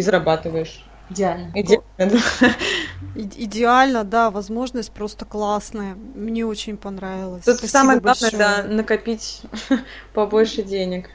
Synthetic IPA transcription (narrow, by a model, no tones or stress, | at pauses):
ɪzɾɐbat̪ɨvəjɪʂ | ɪdʲɪalʲnəɪdʲɪəjəd̪a | ɪɪdʲɪalʲnəd̪avɐzmo̞ʐnəsʲt̚ʲpɾo̞st̪ə̥klˠasnəjəmnʲe̞o̞t͡ɕɪnʲpɐnɾavʲɪlˠəsʲt̪ut̪saməjəɡbˠanəjəd̪anəkɐpʲitʲ | pɐbo̞lʲʂɨdʲenʲɪk